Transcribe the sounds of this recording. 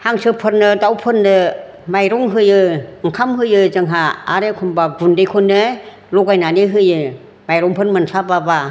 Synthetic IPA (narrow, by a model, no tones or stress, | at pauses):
haŋsɯpʰɯɾnɯdawpʰɯnːɯ | majɾɔŋɦɯjɯŋkʰamɦɯjɯzɯŋɦaːɾekʰɔmbaɡundekʰɔnːɯ | lɔɡajnanɯɦɯjɯ | majɾɔŋpʰɯnmɯnsababa